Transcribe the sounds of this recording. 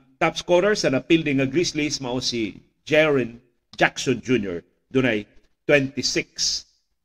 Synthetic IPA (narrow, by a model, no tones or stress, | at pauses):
t̪apskwɔɾɛɹsɐnɐpild̪ɪŋɐɡɾislismɐʔosi | d͡ʒɛɹɪ̃n | d͡ʒaksɔnd͡ʒunjɔ̰ɹ | d̪ʊnɐj | t̪wɛnt̪ɪsɪks